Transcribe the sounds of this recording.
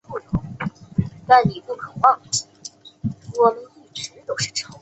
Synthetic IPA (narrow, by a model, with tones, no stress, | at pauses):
o˥˩jo˧˥ | t̪a˥˩nni˨˩pju˥˩kʰɤ˨˩wɑ˥˧˩ŋi˥˩ | wɔ˨˩mə˧˥ni˥˩ʈ͡ʂɻ̩˧˥t̪o˧˥ʊʂɻ̩˥˩ʈ͡ʂʰɑ˧˥ŋ